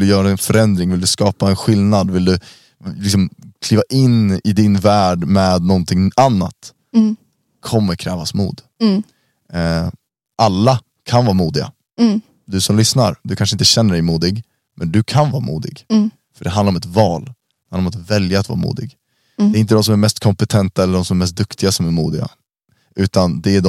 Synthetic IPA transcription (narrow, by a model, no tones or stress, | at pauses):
ɪld̪ɵjœːɾaɛnfœɾɛnd̪ɾɪŋvɪld̪ɵskɑːpaɛnɧɪlnad̪vɪld̪ɵ | lɪksɔmkʰliːvaʔɪnɪd̪ɪnvæːɖmɛːd̪nɔnt̪ʰɪŋanːa̰t̪ | kʰɔmːəɾkʰɾɛːvasmṵːd̪ | ʔalːa | kʰanvɑːɾamuːd̪ɪɡa̰ | d̪ɵsɔmlʏsnaɾd̪ɵkʰanʂəɪnt̪əɕɛn̪ːəɖɛjmuːd̪ɪɡ | mɛnd̪ɵkʰanvɑːɾa̰mṵːd̪ɪ̰ɡ | fœɖɛanaɾɔmɛt̪vɑːl | d̪hanɾɔmat̪vɛljaat̪v̰ɾamṵːd̪ɪ̰ɡ | d̪ɛɾɪnt̪əd̪ɔms̬ɔmæɾmɛst̪kʰɔmpɛt̪ʰɛnt̪aɛlːəɖɔmsɔmɛɾmɛs̬t̪̚d̪ɵkt̪ʰɪɡasɔmæɾmṵːd̪ɪɡa̰ | ʔʉ̟ːt̪and̪ɛædɔ